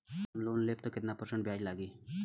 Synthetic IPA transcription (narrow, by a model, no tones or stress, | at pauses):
mloːnleːpt̪okɪt̪napəɾsə̃ɳʈbʱjaːd͡ʒlaːɡiː